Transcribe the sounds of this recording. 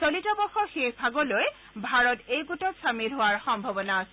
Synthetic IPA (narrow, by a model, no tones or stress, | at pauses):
sɔlitɔbɔxɔxepʰaɡɔloj | bʱaɹɔtejɡutɔsamilɦʊaɹxɔmbʱɔbɔnaːsɛ